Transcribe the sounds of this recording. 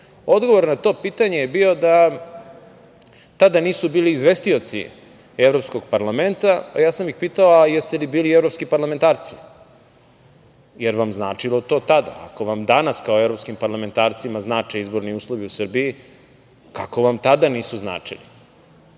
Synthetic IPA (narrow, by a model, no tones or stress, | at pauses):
o̞d̪ɡoʋo̞ɾnat̪o̞piːt̪aɲe̞jebiːo̞d̪a | t̪ad̪aniːsubiːliːzʋest̪io̞t̪sḭ | evɾo̞psko̞ɡ̚paɾlame̞nt̪aa̰jaːsamjixpiːt̪aoajest̪elibiːlievɾo̞pskipaɾlame̞nt̪aːɾt̪si̥ | jeɾʋamzna̰ːt͡ʂilˠot̪o̞t̪ad̪a̰a̰ko̞ʋamd̪anaskaoevɾo̞pskimpaɾlament̪aːɾt̪simaznaːt͡ʃeizbo̞ɾniuːslˠoʋiusrbii | kako̞ʋamt̪ad̪aniːsuzna̰ːt͡ʂḭli